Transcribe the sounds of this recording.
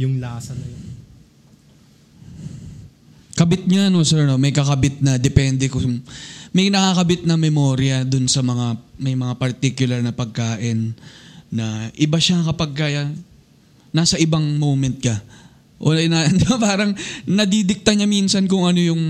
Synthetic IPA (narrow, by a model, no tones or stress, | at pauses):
jʊŋlaːsɐnɐjo | kɐbɪt̪̚ɲaɐno̞sɛɾno̞mɐjkɐkɐbɪt̪̚nɐd̪ɛpɛnd̪ɛkʊ | mɐjnɐkaːkɐbɪt̪̚nɐmɛmo̞ːɾɪjɐd̪ʊnsɐmɐŋamɐjmɐŋapɐɾt̪ikjʊlɐɾnɐpɐɡ̚kaːʔɪnː | ɐʔɪbaʃakɐpɐɡ̚kaːjɐ | naːsɐʔɪbaŋmowmɛnt̪̚kɐ | ʔoɐnanpaːɾɐŋnɐd̪id̪ɪk̚t̪ɐɲaminsɐnkʊŋɐno̞jʊŋ